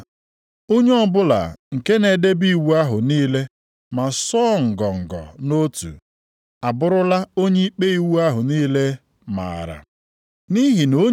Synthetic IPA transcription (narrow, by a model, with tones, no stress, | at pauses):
o˦ɲe˦ɔ˦bʊ˦la̰˨ŋ̩˨ke˦ne˨de˦bi˦˨wu˦a˦ɦʊ˨niː˦le˦ | ma˨sɔ˦ŋ̩˨ɡɔ˨ŋ̩˨ɡɔ̰˨no˦tṵ˨ | a˨bʊ˦ɾʊ˦la˦o˦ɲe˦i˦k͡pe˦i˨wu˦a˦ɦʊ˨niː˦le˦ | ma̰˨ɾa̰˨ | ni˦ɦi˨no˦